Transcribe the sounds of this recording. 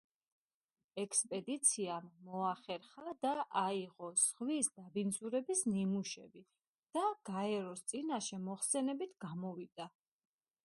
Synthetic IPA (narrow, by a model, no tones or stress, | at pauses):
ɛkʰspʼɛd̪it̪sʰiamːɔaχɛɾχad̪aʔaiʁɔz̥ʁwisd̪abind̪zuɾɛbisnimuʃɛbi | d̪̥aɡ̥aɛɾɔst̪sʼinaʃɛmɔχsɛnɛbit̪ʰɡ̥amɔvid̪̥a